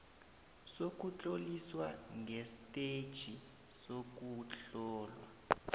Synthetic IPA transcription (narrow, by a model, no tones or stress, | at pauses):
sok̬ʼut͡ɬʼoliswaŋʱestʼed̥ʒ̥ʱi | sok̬uɬɔːlwa